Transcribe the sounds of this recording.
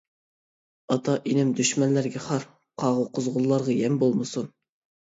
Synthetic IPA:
ɑt̪ʰɑʔinɪmd̪yʃmɛnlːæɾɡʲɛχɑɾ | qʰɑːʁʊqʊzʁʊlˠːɑɾʁɑjɛmbolˠmɨsun

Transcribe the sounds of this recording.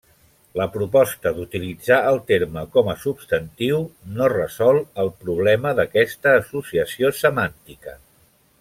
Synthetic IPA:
ləpɾupɔst̪əd̪ut̪ilid͡zaəlˠt̪eɾməkɔməsubst̪ənt̪iwnorəzɔlˠəlˠpɾuβ̞lɛməðəkɛst̪əːsusiəsiosəmant̪ikə̰

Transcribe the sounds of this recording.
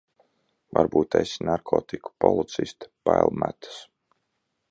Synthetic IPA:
vaɾbuːt̪ɛjsʲnaɾkʰɔːt̪iku̥pɔlˠit̪sist̪paɛlˠmæ̰t̪ḁs

